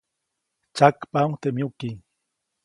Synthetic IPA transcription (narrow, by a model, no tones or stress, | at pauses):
t͡ʃakpaŋt̪emjuki